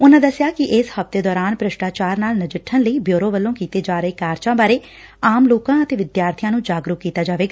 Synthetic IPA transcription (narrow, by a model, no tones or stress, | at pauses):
ʊnãːd̪əsɪjaːkɪʔɪshəft̪eːd̪ɔːɾaːnpɾəʃʈaːt͡ʃaːɾnaːlnəd͡ʒəʈʰːənləiːbjoːɾoːʋəlːõːkiːt̪eːd͡ʒaːɾəeːkaːɾt͡ʃãːbaːɾeː | aːmloːkãːət̪eːʋɪd̪jaːɾt̪ʰijãːnũːd͡ʒaːɡɾʊkːiːt̪aːd͡ʒaːʋeːɡaː